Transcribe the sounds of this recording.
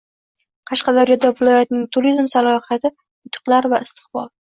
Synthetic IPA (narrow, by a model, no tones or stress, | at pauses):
qʰɑʃqɑd̪aɾjɒd̪avɪlˠɒjat̪nɪŋt̪ʰuɾizmsalˠɒhjat̪ʰɪ | ʊt̪ʰʊ̥qlˠaɾvaɪst̪ʰɨ̥qbɒ̰lˠ